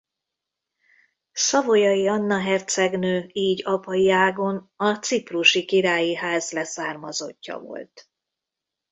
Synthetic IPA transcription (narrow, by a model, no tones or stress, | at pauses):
sɒvojɒiɒnːɒɦɛrt̪sɛɡnøːiːɟɒpɒjiaːɡo̞nɒt̪sipruʃikiɾaːjiɦaːzlɛsaːrmɒzo̞̰cːɒ̰vo̞̰lt̪